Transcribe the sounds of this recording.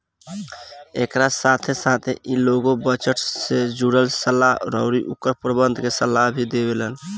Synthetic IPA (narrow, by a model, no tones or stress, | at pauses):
ekɾasat̪ʰesat̪ʰeʔiloɡobət͡ʃəʈsed͡ʒuɽəlsəlaɦɾəʊɾiʔukːəɾpɾəbənd̪ʱkesəlːaɦbʱid̪ebelən